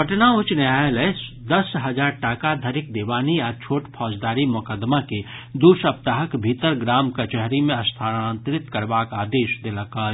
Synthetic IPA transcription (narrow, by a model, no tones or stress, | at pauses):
əʈnaʊt͡ʃneaːeləesd̪ɐsɦɐd͡ʒaːɾʈaːkad̪ʱəɾɪk̚d̪eːʋaːniaːɾt͡ʃʰoːʈpʰɔːd͡ʒd̪aːɾimʊkəd̪make | d̪uːɾsəp̚t̪aːɦəkbʱit̪əɾɡɾaːmkat͡ʃɛɦɾimẽɐst̪ʰaːnant̪ɾɪt̪kəɾbaːkaːd̪eːʃd̪eləka